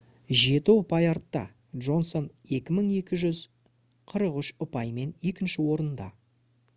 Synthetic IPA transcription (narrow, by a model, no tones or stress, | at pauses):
ʒe̞t̪ɪʊpɑjɑɾt̪ːɑ̰ | d̪ʒo̞nso̞ne̞kʲɪməɴe̞kʲɪʒʏz | qʰəɾəqʏʃʊpɑjme̞ne̞kʲɪnʃɪwo̞ɾənnd̪ɑ̰